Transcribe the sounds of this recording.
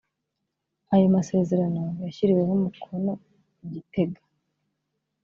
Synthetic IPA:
ajomase̞ːze̞ɾano̞jaçiɾiwehumukʰo̞no̞ | iɟite̞ɡḁ

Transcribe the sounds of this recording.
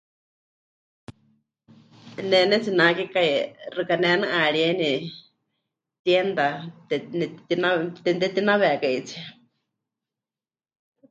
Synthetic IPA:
nɛnɛt͡sinakikairɨkanɛnɨʔaɺieni | t̪jɛnd̪at̪ɛnɛt̪inat̪nt̪ɛt̪inaβɛkaʔit͡sʰi

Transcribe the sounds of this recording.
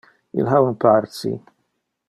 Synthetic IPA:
jɪ̰lħɐwɪnpɐɾt͡sḭ

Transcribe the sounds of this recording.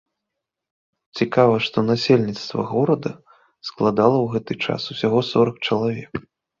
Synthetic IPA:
t͡sʲikavɐʂt̪ɔnasʲelʲnʲit̪st̪vɐ̰ɣɔɾɐd̪ɐ | sklˠad̪alˠɐwɣɛt̪ɨt͡ʂa̰susʲaɣɔsɔɾɐk̚t͡ʂɐlˠavʲɛk

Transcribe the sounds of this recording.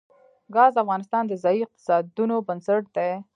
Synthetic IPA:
ɡɑzafɣɑnɪst̪ɑnd̪əzɑjiɪq̚t̪ɪ̥sɑd̪unobənsaʈ̚d̪e

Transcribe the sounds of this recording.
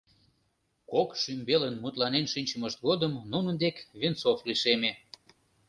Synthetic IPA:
kokʃymbelənmut̪lɑnenʃynʲt͡ɕəməʃt̪̚ɡod̪əmnunənd̪ekβent͡sofliʃeme

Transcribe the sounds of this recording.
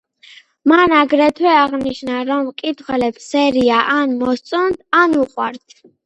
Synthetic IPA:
manaɡɾɛt̪ʰwɛaʁniʃnaɾɔmkʼit̪ʰwɛlɛpsɛɾiaʔanmɔst̪sʼɔnd̪anuqʼwaɾt̪ʰ

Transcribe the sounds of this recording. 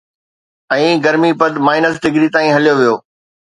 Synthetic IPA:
ɛ̃ːɡɐɾmipɐd̪maːɪnəsɖɪɡɾit̪aːĩɦɐlijoʋijoː

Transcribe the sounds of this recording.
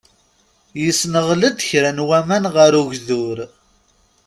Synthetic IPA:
jəsnəʁləd̪çɾænwæmænʁəɾuʝðʊɾ

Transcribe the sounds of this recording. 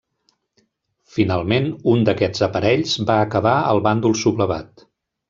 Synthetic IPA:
finalˠmenund̪əkɛzəpəɾɛʎzbaəkəβaəlˠβand̪ulˠsuβləβa̰t̪

